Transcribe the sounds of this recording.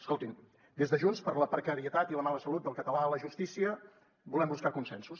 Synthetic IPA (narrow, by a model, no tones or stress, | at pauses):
əskolˠt̪in | d̪ezðəʒunspəɾləpɾəkəɾiət̪at̪iləmaləsəlut̪̚d̪əlˠkət̪əlaələʒust̪isiə | bulɛmbuskakunsɛnsus